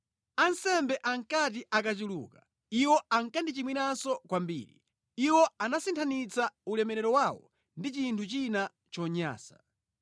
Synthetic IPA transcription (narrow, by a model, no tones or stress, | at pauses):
ansɛmbɛʔaŋkat̬iʔakat͡ʃulṵːka | iwɔaŋkandit͡ʃimwinansɔkwambḭːɾḭ | iwɔanasintʰanit͡saulɛmɛɾɛɾɔwawɔ̰ | ndit͡ʃintʰut͡ʃina | t͡ʃɔɲa̰ːsa